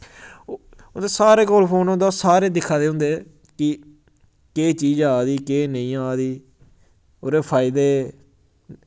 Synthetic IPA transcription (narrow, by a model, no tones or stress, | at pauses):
eːsaːɾeːkoːlpʰoːnõd̪asaːɾeːd̪ɪkʰːaːd̪eːɦʊ̃nd̪eː | kɪ | keːt͡ʃiːd͡ʒaːd̪iːkeːnəĩːaːd̪iː | oːɾeːpʰaːɪd̪eː